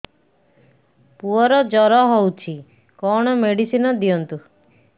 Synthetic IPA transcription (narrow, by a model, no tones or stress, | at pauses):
puɔɾɔd͡ʒɔɾɔɦowt͡ʃʰi | kɔɽ̃ɔmeɽisinɔd̪iɔnt̪u